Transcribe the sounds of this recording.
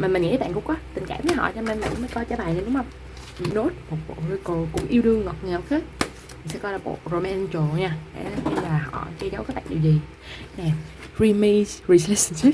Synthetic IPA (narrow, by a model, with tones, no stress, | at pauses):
maː˨˩m˨˩ŋḭ˧˨˥ɓaː˧˨kʊ̰˧˥ŋ͡mkɔ˨˦t̪ï˨˩ŋ̟ka̰ː˧˩˨mvə˨˦ɦɔ̰˧˨t͡ɕɔ˧me˧nm˨˩˧məː˨˦kɔ˧jt͡ɕaː˧˦ɓaː˨˩nə˨˩ɗʊ˨˦ŋ͡mhə˧wŋ͡m | no˦˥t̚mo˨˩t̚ɓo̰˧˨ɾi˧ko˨˩kʊ̰˧˥ŋ͡mʔi˧əwɗɨ˧əŋːɔ˨˩t̚ŋː˨˩˨whe˦˥t̚ | mi̟˨˩sɛ̰˧˥kɔ˧laː˨˩ɓo̰˧˨ro˨˩mɛː˧nt͡ɕo˨˩ɲaː˧ɗḛ˧˥˦ɲɨ˧ŋlaː˨˩ɦɔ̰˧˩˨t͡ɕə˧zə˨˦wkaː˨˦jɓa̰ː˧˨n˨i˨˩wzi˨˩ | nɛ˨˩ɹi˧me˧sɹi˧slɛ˦sə˧nsi˦˥p̚